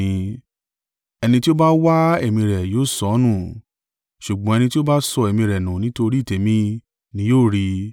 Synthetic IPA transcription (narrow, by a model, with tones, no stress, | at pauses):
ɛ˧nĩ˧ti˦o˦ba˦wa˦e˦˨mĩ˧ɾɛ˨joː˨˦˨sɔ˨˧˦nũ˦˨ | ʃu˨ɡ͡bɔ̃˨ɛ˧nĩ˧ti˦o˦ba˦sɔ˧e˨mĩ˧ɾɛ˨nũ˨nĩ˦to˧ɾi˦˨te˨˦mĩ˧ | nĩ˧˦joː˦˨ɾi˧